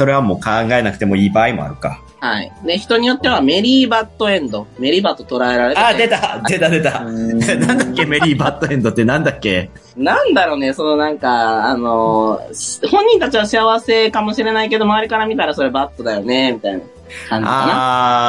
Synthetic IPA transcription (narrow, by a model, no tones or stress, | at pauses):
so̞ɾe̞β̞amo̞ːkãŋɡae̞nakɯ̟̥t̪e̞mo̞iːbaːimo̞̰a̰ɾɯ̟ka̰ | haḭd̪e̞çi̥t̪o̞ɲ̟ijo̞t̪ːe̞β̞ame̞ɾʲiːbat̪ːo̞ẽ̞nd̪o̞me̞ɾʲibat̪ːo̞t̪o̞ɾae̞ɾaɾe̞taːd̪e̞t̪ad̪e̞t̪ad̪e̞t̪anãnd̪akːe̞me̞ɾʲiːbat̪ːoẽ̞nd̪o̞t̪ːe̞nãnd̪akːe̞ | nãnd̪aɾo̞ne̞so̞no̞nãŋkaano̞ɕhõ̞ɲ̟ːĩnt̪at͡ɕiβaɕiaβase̞kamo̞ɕiɾe̞naike̞d̪o̞maβaɾʲikaɾamʲit̪aɾaso̞ɾe̞bat̪ːo̞d̪ajo̞ne̞mʲit̪aina̰ | kãɲaːia